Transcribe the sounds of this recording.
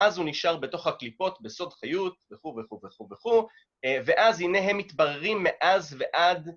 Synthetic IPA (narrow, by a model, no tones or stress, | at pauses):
azuniʃaʁbeto̞χhaklipo̞tbeso̞dχajut̪veχuveχuveχuveχu | ve̞ʔazhine̞ɦemːit̪baʁeʁimːeʔazveʔad